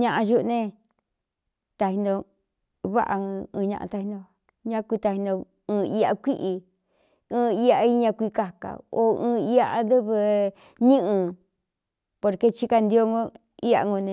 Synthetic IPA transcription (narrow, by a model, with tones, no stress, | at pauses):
ɲã˧ʔã˧ʒu˦ʔnẽ˧ | t̪a˧hi˧nd̪o˧ | βa̰˦ʔãː˧ɲã˧ʔã̰˧t̪a˧hi˧nd̪o˧ | ɲã˦˧kʷi˧t̪a˧hĩ˧nd̪o˧ | ɨ̃ː˧i˦a̰˧kʷi˦ʔi˧ | ɨ̃ː˦i˦a˧i˦ɲã˧kʷi˧ka˧ka̰˨o˧ɨ̃ː˧i˧a˧ʔa˧ðɨ˦βɨ˧ | ɲĩ˦ʔɨ̃˧ | po˧ɾke˧t͡ʃi˦ka˧nd̪i˧o˧ŋõ˦ | i˦a̰˧ŋɡõ˧nẽ˧